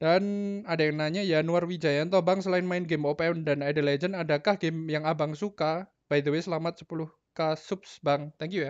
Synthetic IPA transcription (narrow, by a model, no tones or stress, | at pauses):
d̥anadajaŋnaɲajanuarwid͡ʒajant̪obaŋsəlaɪnmaɪnɡemopaɔndanadəled͡ʒənadakahɡemjaŋabaŋsuka | b̥ajd̪əwesəlamat̪̚sə̥pulʊh | kasup̚sbaŋt̪ɛŋkjuja